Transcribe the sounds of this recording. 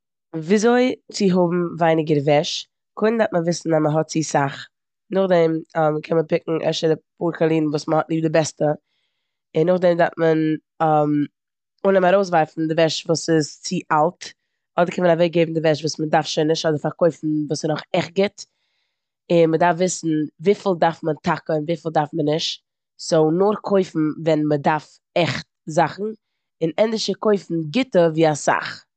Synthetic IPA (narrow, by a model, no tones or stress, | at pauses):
viːzoɪt͡sɪɦʊbm̩vaɪnɪɡəɾvɛʃ | kʰʊɪndatməvɪsn̩aməɦɔt̚t͡siːsaχ | nʊχdɛmɔmkʰɛnməpɪkŋ̩ʔɛ̰ʃədɪpuːɾkalˠiːnn̩vuːsməhɔtniːb̚dɪbɛstə | ɪnːʊχdɛmdaɾtmən | am | ʊnəmaɾoʊs̬vaɪfn̩dɪvɛʃvuːsɪst͡siʔalˠt | ɔdəɾkʰɛnmənavɛk̚ɡeɪbm̩dɪvɛʃ̬vuːsmədaɾfʃɛɪnːɪʃtɔdəɾfaɾkoɪfn̩vuːsɪnʊχɛχt̚ɡɪt | ɪnmədaɾfvɪsn̩viːfɪlˠdaɾfməntʰakəɪnviːfɪl̩ˠdaɾfmənːɪʃt | soʊnʊɾkʰoɪfn̩vɛnmədaɾf | ɛχt | zaχn̩ | ɪnɛndɪʃəkoɪfn̩ɡɪtəviːasa̰χ